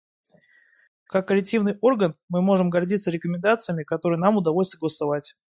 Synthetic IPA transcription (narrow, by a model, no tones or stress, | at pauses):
kakːəlʲɪk̚tʲivnɨjo̞rɡənmɨmo̞ʐɨmɡɐrdʲit̪səɾʲɪkəmʲɪnd̪at̪sɨjəmʲɪkɐt̪o̞ɾɨjənamʊd̪ɐvolʲsʲt̪əɡəlˠəsɐvatʲ